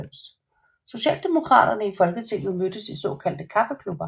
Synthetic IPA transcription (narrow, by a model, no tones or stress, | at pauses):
ms | so̝ɕɛ̰ːld̥e̝mo̝kʰʁɑ̰̈ːd̥ɐnəifɒ̽lɡ̥ət͡sʰe̝n̰jomød̥əsisɔ̰̽ːkʰæl̰d̥əkʰɑ̈fəkʰlub̥ɐ